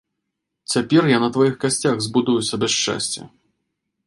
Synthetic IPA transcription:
t͡sʲapʲɛrjanɐt̪vajixkasʲt͡sʲaɣzbud̪ujusʲɐbʲɛʂt͡ʂa̰sʲt͡sʲɐ̰

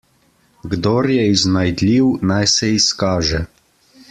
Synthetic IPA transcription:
ɡd̪oːɾjɛiznajd̪lʲiwnajsɛiskaːʒɛ

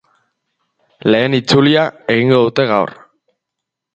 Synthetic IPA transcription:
le̞ːnit͡suliae̞ɣ̞iŋɡo̞ðut̪e̞ɣawr

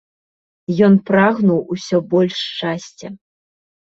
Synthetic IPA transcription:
jɔnpɾaɣnuwusʲɔbɔlʲʂt͡ʂasʲt͡sʲɛ

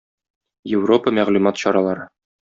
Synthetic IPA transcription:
jɪvropəmæʁlʉmɑt̪ɕɒɾɑlˠɑɾɤ

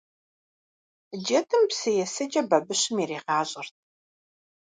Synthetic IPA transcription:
d͡ʒɐtʰɨmpsɨjɛsɐd͡ʒʼɐbɐbɨɕɨmireːʁɑːɕʼɐrt̚ʰ

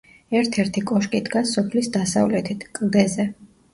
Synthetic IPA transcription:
ɛɾt̪ʰɛɾt̪ʰikʼɔʃkʼid̪ɡasɔpʰlisd̪asavlɛt̪ʰit̪ʰkʼld̪ɛzɛ

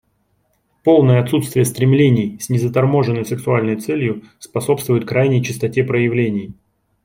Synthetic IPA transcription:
po̞lˠnəjəɐt̪sut̪st̪vʲɪjəst̪ɾʲɪmlʲenʲɪjsʲnʲɪzət̪ɐrmo̞ʐɨnːəjsɨksʊalʲnəjt̪sɛlʲjʊspɐso̞pst̪vʊjʊt̪̚kɾajnʲɪjt͡ɕɪst̪ɐtʲe̞pɾəjɪvlʲenʲɪj

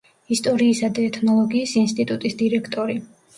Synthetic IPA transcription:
ist̪ʼɔɾiːsad̪aɛt̪ʰnɔlˠɔɡiːsinst̪ʼit̪ʼut̪ʼisd̪iɾɛkʰt̪ʼɔɾi

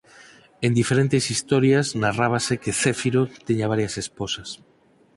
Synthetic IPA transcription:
end̪ifeɾent̪esist̪oɾjaznaraβasekeθefiɾot̪eɲaβaɾjasesposas

